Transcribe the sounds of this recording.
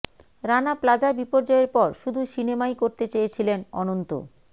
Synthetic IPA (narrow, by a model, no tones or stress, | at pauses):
ɾanaplad͡ʑabipoɾd͡ʑɔeɾpɔɾʃud̪ʱuʃinemajkoɾt̪et͡ɕejet͡ɕʰilenɔ̰nont̪o̰